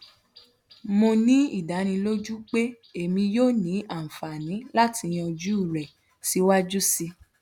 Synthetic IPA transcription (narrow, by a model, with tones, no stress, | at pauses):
mo˧nĩ˦i˦˨da˨˦nĩ˧lo˦d͡ʒu˦k͡pe˦ | e˦˨mĩ˧joː˦˨nĩ˨˦a˦˨fa˨nĩ˨˦la˦ti˧j̃ɔ̃˧d͡ʒu˦˨ɾɛ˨ | si˨˦wa˦d͡ʒu˦si˧